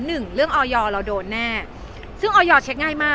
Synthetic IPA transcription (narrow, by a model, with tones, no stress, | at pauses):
nɯ˨˩ŋɾɯ˥˩əŋʔɔː˧jɔː˧ɾa˧wdoː˧nːɛː˥˩ | sɯ˥˩ŋʔɔː˧jɔː˧t͡ɕʰe˦˥t̪̚ŋaː˥˩jmaː˥˩